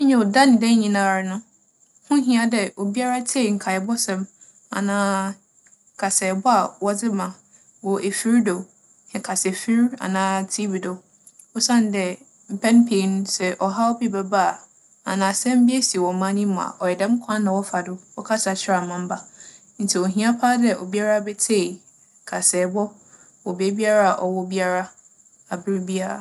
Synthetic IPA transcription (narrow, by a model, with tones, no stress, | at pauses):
ɲɛ̃˨wʊ˨da˦nɪ̃˨dɛ̃˦ɲĩ˨nã˦˨ɾnʊ̃˦ | hʊ̃˦ɦĩ˦a˨dɛ˨o˨bi˦a˦ɾa˦tʰe˦˨ŋ̩˨kʰa˨ɛ˨bɔ˦sɛ̃˨m | a̰˨nãː˦ | kʰa˨sɛ˨bɔ˦a˨wɔ˦d͡zɪ˦mã˨ | wɔ˨ʔe˨fi˦ɾdo˨ | hɛ̃˨kʰa˨sɛ˨fi˦ɾa̰˨nãː˦tʰi˦bi˨do˨ | ɔ˦sã˦n˨˦dɛ˨ | m̩˨pʰɛ̃˦npʰẽ˨˦n˦sɛ˦˨ʔɔ˨ɦa˦ɔ˦bi˦bɛ˨ba˦˨ | a̰˨nãː˨sɛ̃˦m˦bi˦e˦si˨e˨wɔ˨mã˦nĩ˦mã˨a̰˨ʔɔ˨jɛ˨dɛ̃˦m˦kʷʰã˦nnã˨wɔ˦fa˨dʊ˦wɔ˦kʰa˦sa˨t͡ɕʰɪ˦ɾa˦˨mã˨m̩˦ba˨ | n̩˦tʰi˨o˨ɦĩ˦a˦pʰaː˦dɛ˦˨ʔɔ˨bi˦a˦ɾa˦˨bɛ˦tʰe˦˨ | kʰa˨sɛː˨bɔ˦ | wɔ˨be˦bi˦a˦ɾa˦a˨ʔɔ˨wɔ˦bi˦a˦ɾa˦ | a˨bɪ˦ɾbi˦a˦ɾa̰˨